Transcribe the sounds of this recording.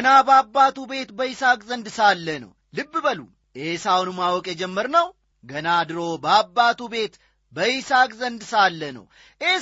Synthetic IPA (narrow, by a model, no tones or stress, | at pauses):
nabəabːat̪ube̞t̪bəisakʼzənd̪salːənə̰w | lɨbːbəlṵ | ʔesawɔnumawɔkʼjɛd͡ʒɛmːəɾnəw | ɡənad̪ɨɾo̞bəabːat̪ube̞t̪ | bəjisakʼzənd̪salːənə̰w | ʔe